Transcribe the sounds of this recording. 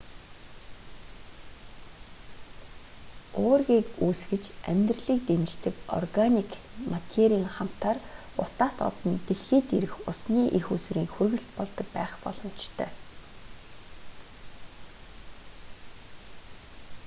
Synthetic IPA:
ʊːrɣiːkuːsɡɘ̆t͡ɕæ̰mʲt̪rɮiːk̚t̪emt͡ɕt̪ɘ̆kɔ̰rɣanikmat̪ʰeɾʲiːŋχam̥t̪aːr | ʊ̰t̪aːt̪ɔ̰t̪ɞ̆nt̪eɮxiːt̪eɾɘ̆xʊsniːʔixusɾiːŋxurɣɘ̆ɬt̪pɔɮt̪ɞ̆k̚pæːχpɔ̰ɮ̥ɞ̆m̥t͡ɕt̪ʰœ̰ː

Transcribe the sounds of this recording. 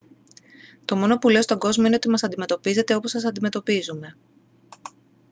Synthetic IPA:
t̪o̞mo̞no̞pule̞ost̪oɡo̞zmoine̞ot̪imɐsɐnd̪ime̞t̪opize̞t̪e̞o̞po̞sɐs̬ɐnd̪ime̞t̪o̞pizume̞

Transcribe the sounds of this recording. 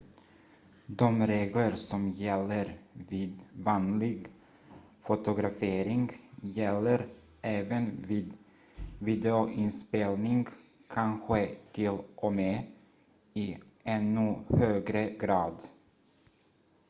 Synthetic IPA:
d̪ɔmɾeːɡləɾsɔmjɛlːəɾviːd̪vɑːnlɪɡ | fʊt̪ʊɡɾafeːɾɪŋɡjɛlːəɾ | ʔɛːvənviːd̪ | viːd̪ɛʊʔɪnspeːlnɪŋ | kʰanɧət̪ʰɪlʔɔme | ɪ | ɛnːɵhøːɡɾəɡɾɑːd̪

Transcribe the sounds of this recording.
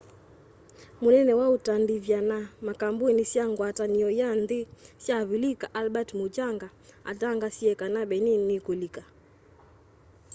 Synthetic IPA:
munɛnɛwautandivjanamakambuɛnisjaŋɡwataniɔjandesjaβilikaʔalbatmut͡ʃaŋɡaa̰taŋɡasiɛkanabɛninikulika

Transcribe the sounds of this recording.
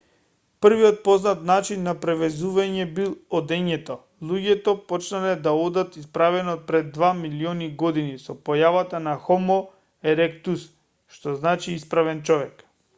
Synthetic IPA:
pr̩viɔt̪̚pɔznat̪nat͡ʃinːapɾɛvɛzuvaɲɛbilˠɔd̪ɛɲɛt̪ɔ | lˠuɟɛt̪ɔpɔt͡ʃnalɛd̪aɔd̪at̪ispɾavɛnɔt̪̚pɾɛd̪ːvamiliɔniɡɔd̪inisɔpɔjavat̪anaxɔmɔ | ɛɾɛkt̪us | ʃt̪ɔznat͡ʃiispɾavɛnt͡ʃɔvɛk

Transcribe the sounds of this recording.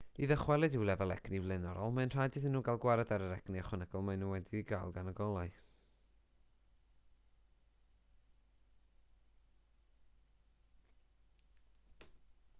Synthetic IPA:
iðəχwɛlˠɨdɪwlɛvɔlˠɛ̰ɡ̥nivlˠɪnɔɾɔlˠmanr̥ajdɨðɪnːuːɡalˠɡwaɾɛdaɾəɾɛɡ̥niaχɔnaɡɔlˠmaɨnuːwɛdiɡajlˠɡanəɡɔlˠaɨ

